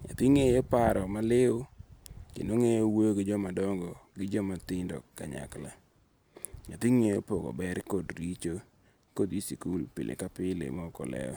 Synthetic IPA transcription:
ŋa̰t̪iŋejopaɾɔmalɪʊkḛnoŋejowoɡɪd͡ʒɔmadɔŋɡɔɡɪd͡ʒɔmat̪ɪndɔ̰kːaɲa̰kla | ŋat̪iŋejopoɡo̰bɛɾkodɾit͡ʃo | kodisikulpɪ̰lʔḛkapɪlḛmɔkɔ̰lɛ̰ɔ̰

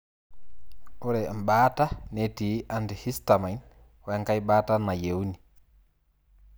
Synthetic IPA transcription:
ʔuɾɛmɓaːtanetiʔandihistamajn | weŋkajɓaːtanajewni

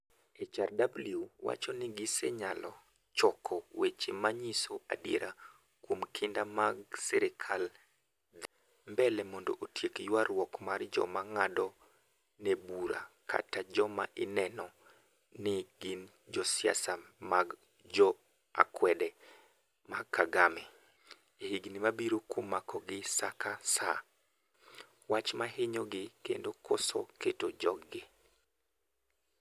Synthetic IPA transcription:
et͡ʃardabliuwa̰t͡ʃɔnɪɡɪsɛɲalɔ | t͡ʃɔkʰɔwet͡ʃemaɲisoa̰djeɾʔa | kwomkʰɪndamaɡsɛɾɪkʰal | mbɛlɛmɔndɔ̰ʔotʰjekjwarwɔkmard͡ʒɔ̰maŋadɔ | nebuɾa̰kʰa̰tad͡ʒɔmaʔɪnɛnɔ | nɪɡin | d͡ʒɔsɪa̰samaɡ | d͡ʒɔ | a̰kwɛdɛ | makʰːaɡamɛ | ehiɡnimabiɾokomakɔɡɪsakʰasa | wat͡ʃmaɦeɲoɡɪkḛndokosɔ̰ketod͡ʒɔɡɪ

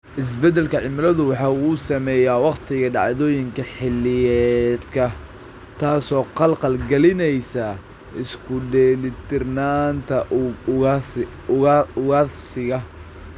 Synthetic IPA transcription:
ʔɪs̬bɛd̪ɛlkʰɐʕɪmɪlɐðʊwɑħɑːuːsɐmɛːjaːwɑqt̪ʰɪɣɐɖɑ̰ʕðɔːjɪŋkʰɐħɪlːɪjɛd̪kʰɐ | t̪ʰaːsɔːqɑlqɑlɡɐlɪnɛjsa | ɪskʰʊɖɛːlɪt̪ʰɪrnaːnt̪ʰɐ | ʊɣaːsɪɣɐ

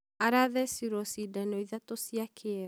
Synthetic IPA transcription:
aɾaðɛsiɾosidanoiðatosiakʰe

